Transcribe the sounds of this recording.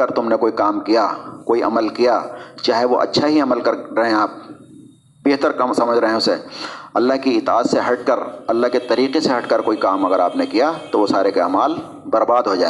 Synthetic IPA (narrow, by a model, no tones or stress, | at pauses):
əɾt̪ʊmnekoːikaːmkijakoːiʔɐ̰məlkijat͡ʃaːɦeʋoʔɐ̰tːʃʰaɦiɐməlkɐɾɾɐɦẽaːp̚ | beːɦt̪əɾkɐmsɐməd͡ʒʱɾɐɦẽʊseɐlːaɦkiɪt̪a̰ːzseɦɐʈ̚kəɾɐlːaɦkit̪ɐɾiːqeseɦɐʈkəɾkoːikaːmɐɡəɾaːpnekijat̪oʋosaːɾekea̰ːmaːl | bɐɾbaːd̪ɦod͡ʒa̰ːe